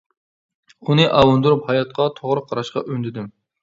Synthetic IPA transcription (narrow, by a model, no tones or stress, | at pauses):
unɨʔɑwɑnd̪uɾuphɑjɑt̪̚qʰɑt̪ʰoʁɾɨqʰɑɾɑʃqɑ̰ʔønd̪ɪd̪ɪm